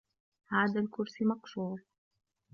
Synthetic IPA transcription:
haːðalkʊɾsɪmɑkʃuːɾ

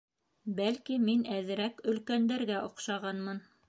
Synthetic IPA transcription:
bælkiminæðɘ̆ɾækɵ̆lkænd̪æɾɡæʔŏqʃɑʁɑnmɤn

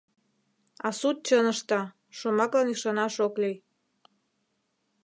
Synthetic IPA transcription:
ɑsut̪̚t͡ɕənəʃt̪ɑ | ʃomɑklɑniʃɑnɑʃoklij

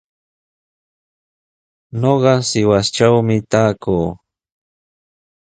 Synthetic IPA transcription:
ɲoɢɑsɪwast͡ʃawmɪt̪aːkuː

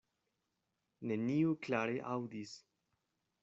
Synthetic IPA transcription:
ne̞niuklaɾeʔawdis

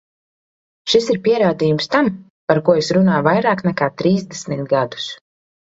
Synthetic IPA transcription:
ʃisiɾpʲiɛɾaːd̪iːjumst̪am | paɾkuɔesɾunaːjuvajɾaːknɛkaːt̪ɾiːzd̪ɛsmint̪̚ɡad̪u̥s

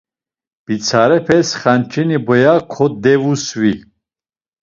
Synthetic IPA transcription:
b̥it͡sʰaɾɛpʰɛsχant͡ʃʰʼinibɔjakʰɔd̪ɛvuswi

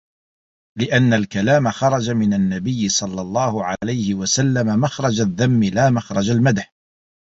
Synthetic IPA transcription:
lɪʔanːalkalaːmaxɑɾˤɑd͡ʒamɪnanːabɪjːɪsˤɑlːɑlˤːɑːhʊʕalajhɪwasalːamamaxɾˤɑd͡ʒaðːamːɪlaːmaxɾˤɑd͡ʒalmad̪ħ

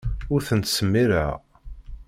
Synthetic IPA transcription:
ʊɾθənt̪səmːiɾə̰

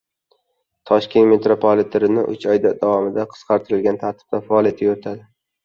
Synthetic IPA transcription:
t̪ʰɒʃkʲe̞nt̪me̞t̪ɾopʰolit̪ʰeɾɪnɪ̰ʔʊ̰t͡ʃʰɒjd̪ad̪avɒmɪd̪aqʰɨ̥sqʰɑɾt̪ʰɨɾɪlɡʲant̪ʰaɾt̪ʰɪ̥b̥̚t̪afaɒlijat̪ʰɪot̪ʰad̪ɪ

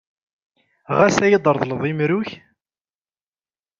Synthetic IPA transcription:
ʁæsæjəd̪ˤəɾˤðˤləðˤimɾʊç

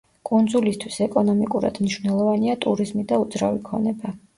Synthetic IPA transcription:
kʼund̪zulist̪ʰwisɛkʼɔnɔmikʼuɾa̰d̪mniʃvnɛlˠɔvaniat̪ʼuɾizmid̪aud̪zɾa̰vikʰɔ̰nɛba

